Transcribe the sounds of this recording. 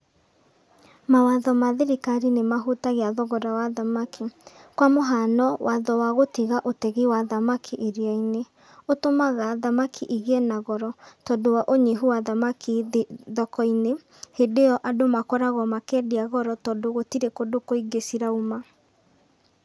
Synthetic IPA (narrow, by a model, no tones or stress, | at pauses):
mawaðɔmaðeɾikaɾinemaɦutaɣeaðɔɣɔɾawaðamakʰikwamoɦanɔwaðɔwaɣotiɣaʔotɛɣiwaðamakʰiʔeɾjaine | otomaɣaðamakʰiʔiɣɛnaɣɔɾɔtɔndowaʔoɲeɦuwaðamakʰiðɔkɔine | hedeɔʔadomakɔɾaɣɔmakɛdeaɣɔɾɔtɔːndoɣotiɾekodokoiɡesiɾauma